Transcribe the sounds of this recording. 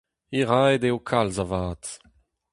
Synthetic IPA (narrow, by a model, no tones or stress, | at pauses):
iʁajdeokʰalzavaːt